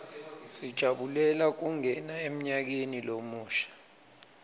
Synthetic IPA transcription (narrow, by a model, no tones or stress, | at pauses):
sid̥ʒ̥ʱaɓulɛlak̬uŋɛnaem̩ɲak̬enilomuːʃḁ